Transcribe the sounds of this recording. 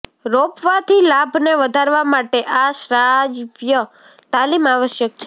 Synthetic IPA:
ɾopʋat̪ʰilabʱneʋəd̪ʱaɾʋamaʈeʔaʃɾad͡ʒʋjə | t̪alimaʋəʃjək̚t͡ʃʰe

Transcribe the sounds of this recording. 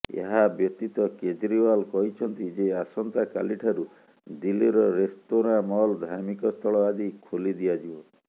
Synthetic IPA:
ḛɦabjɔt̪it̪ɔked͡ʒɾiwalkɔɦit͡ʃʰɔnt̪id͡ʒeasɔnt̪aka̰liʈʰaɾu | d̪ilːiɾɔɾest̪oɾamɔld̪ʱaɾmikɔst̪ʰɔɭɔad̪ikʰolid̪iad͡ʒibɔ

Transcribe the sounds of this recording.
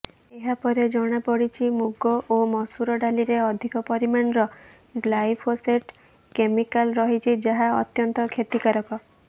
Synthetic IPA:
eɦapɔɾed͡ʒɔɽ̃apɔɽit͡ʃʰimuɡɔʔomɔsuɾɔɖaliɾeɔd̪ʱikɔpɔɾimanɾɔ | ɡlajpʰoseʈ | kemikalɾɔɦit͡ʃʰid͡ʒaɦaɔ̰t̪jɔnt̪ɔkʰet̪ikaɾɔkɔ

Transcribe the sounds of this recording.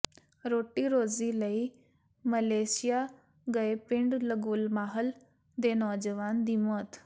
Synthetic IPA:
ɾoːʈiːɾoːziləi | məleːsija | ɡəepɪ̃ɳɖləɡulmaːɦəl | d̪eːnɔːd͡ʒəʋaːnd̪imot̪

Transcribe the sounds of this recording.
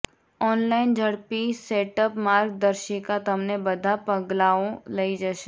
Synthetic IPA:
ɔːnlaːɪnd͡ʒʱɐɽpiseːʈəpmaːɾɡ̚d̪əɾʃikat̪ɐmnebɐd̪ʱapɐɡlaːõlɐid͡ʒaʃe

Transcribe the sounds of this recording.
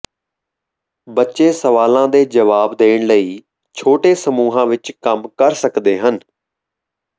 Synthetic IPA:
bətːʃeːsəʋaːlãːd̪eːd͡ʒəʋaːbd̪eːɳləiː | t͡ʃʰoːʈeːsəmuːɦãːʋɪt͡ʃkəmkəɾsəkd̪eːɦən

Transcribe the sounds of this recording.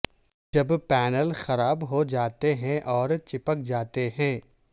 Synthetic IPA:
d͡ʒɐbpɛːnəlxɐɾaːbɦod͡ʒaːt̪eɦɛ̃ʔɔːɾt͡ʃɪpək̚d͡ʒaːt̪eɦɛ̃ː

